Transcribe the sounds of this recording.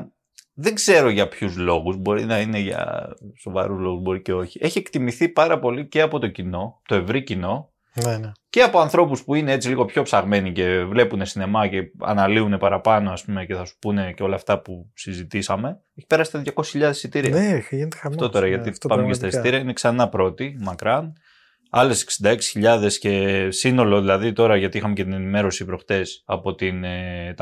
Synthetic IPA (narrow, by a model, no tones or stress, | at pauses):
ðeɡz̥e̞ɾo̞ʝɐpçuzlo̞ɣuzbo̞ɾḭnɐine̞ʝɐ̰so̞vɐ̰ɾuzlo̞ɣuzbo̞ɾice̞o̞çiʔe̞çie̞kt̪imiθipɐɾɐpo̞lice̞ɐpo̞t̪o̞cino̞t̪o̞e̞vɾicino̞ | nnce̞ɐpo̞ɐnθɾo̞puspuine̞e̞t͡siliɣo̞pço̞psɐɣme̞nice̞vle̞pune̞sine̞mɐce̞ɐ̰nɐliune̞pɐɾɐpɐno̞ɐspume̞ce̞θɐsu̥pune̞ceo̞lɐːft̪ɐpusizit̪isɐme̞ | eçi̥peɐsit̪eðjʝɐkoi̥sçiʎɐðe̞sit̪iɾiɐeʝinet̪eɐft̪ot̪oɾɐʝɐt̪ipɐmmekest̪ɐst̪iɾiɐineksɐnɐpɾo̞t̪imɐkɾɐn | ɐle̞se̥ksind̪ɐeksi̥çiʎɐðe̞sce̞sino̞lo̞ðilɐðit̪o̞ɾɐʝɐt̪iixɐmecet̪ine̞nime̞ɾo̞sipɾo̞xt̪e̞sɐpo̞t̪inet̪ɐ